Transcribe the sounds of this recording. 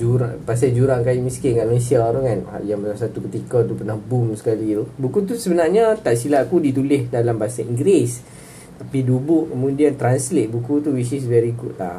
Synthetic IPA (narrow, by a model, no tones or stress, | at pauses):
d͡ʒuɾa̰ŋpas̬ad͡ʒuɾaŋkajimĩskɪnkaʔmənesiaɾukanha̰ʔjaŋbalamsat̪ukət̪ikɔt̪upərnahbumsə̥kalit̪ubukut̪̬usəbənarɲat̪aʔsilaʔkudit̪ulɪhdalambaasaiŋɡɾes | t̪apidubʊʔkəmũdiant̪ɾanslet̪̚bukut̪uwisis̬vɛɾikut̪la̰h